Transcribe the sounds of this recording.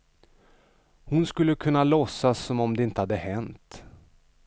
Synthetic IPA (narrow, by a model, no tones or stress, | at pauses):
hʊnskɵlːəkʰɵnːalɔsːasːɔmɔmd̪ɛɪnt̪əhad̪ːəhɛnt̪